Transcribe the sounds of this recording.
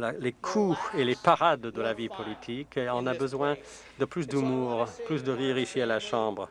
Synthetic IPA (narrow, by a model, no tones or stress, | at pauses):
lalekʰuelepaʁad̪ːəlavipʰɔlit̪ʰikɔ̃nabəzwɛ̃ | d̪əplysd̪ymuːʁplysd̪əʁiʁiʃialaʃɑ̃bʁ